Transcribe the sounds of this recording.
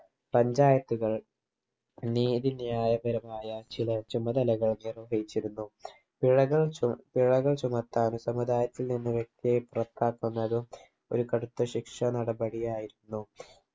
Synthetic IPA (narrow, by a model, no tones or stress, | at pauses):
pɐɲd͡ʑaːjɐt̪ːuɣɐɭ | niːðinjaːjɐbɐɾɐmaːjɐt͡ɕilɐt͡ɕumɐd̪ɐlɐɣɐɭnirʋɐɦɐjit͡ɕːiɾunːu | piɻɐɣɐɭpiɻɐɣɐɭt͡ɕumɐt̪ːaːnusɐmud̪aːjɐt̪ːilninːɨʋekkepurɐt̪ːaːkːunːɐðɨ | o̞ɾukɐɽut̪ːɐɕikʂɐnɐɽɐbɐɽijaːjiɾunːu